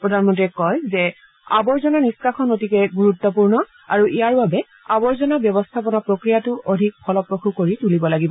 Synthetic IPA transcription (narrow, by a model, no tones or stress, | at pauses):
pɹɔdʱanmɔntiɛkɔjzɛ | abɔɹzɔnaniskakʰɔnotikɛɡuɹut̪ːɔpuɹnɔ | a̰ɹuʔijaɹbabɛ | abɔɹzɔnabjɔbɔstʰap̬ɔnapɹokɹijatʊʔodʱik̚pʰɔlɔpɹoxʰukoɹitulibɔlaɡibɔ